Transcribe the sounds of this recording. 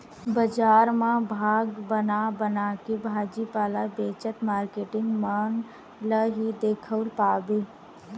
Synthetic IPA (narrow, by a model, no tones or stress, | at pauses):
bəd͡ʒaːɾmãbʱaːɡbənabənaːkebʱaːd͡ʒipaːlabeːt͡ʃət̪maːɾkeːʈɪ̃ŋɡmaːn | ləɦid̪eːkʰəlpaːbeː